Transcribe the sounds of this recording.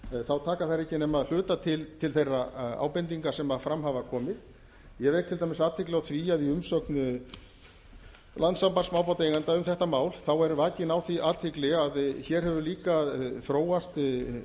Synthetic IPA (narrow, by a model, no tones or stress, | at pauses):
θawt̪ʰaːkaθaɾɛhcɪnɛmaðl̥ʏːt̪at̪ʰɪlt̪ʰɪlθejrːaa̰ːwpɛnt̪iŋkasɛmafɾamɦavakʰɔːmɪð | jɛvɛt̪ʰɪlt̪ʰaːmɪsaːt̪hɪklɪawθviːaðiʏmsœknʏ | lant̪sampansmaːwpawt̪ejŋɣant̪aʏmθɛht̪amaːwlθawɛɾvaːcɪnawθiʔaːt̪ʰɪklɪaðçɛɾ̥hɛvʏliːkaθɾoːwast̪